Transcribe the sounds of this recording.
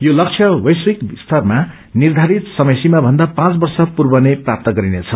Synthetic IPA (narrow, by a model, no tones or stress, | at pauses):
jolʌk̚t͡sʰjʌwʌjswikst̪ʰʌrma | nird̪ʱaɾit̪sʌmʌjsimabʱʌnd̪apãt͡sbʌrsʌpurbʌneprap̚t̪ʌɡʌɾinet͡sʰʌ